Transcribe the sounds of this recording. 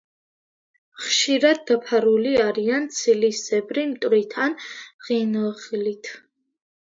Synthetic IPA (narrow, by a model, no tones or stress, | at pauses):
χʃiɾad̪̚ːapʰaɾuliaɾiant̪sʰiliszɛbɾimt̪ʼɾit̪ʰanʁinχilit̪ʰ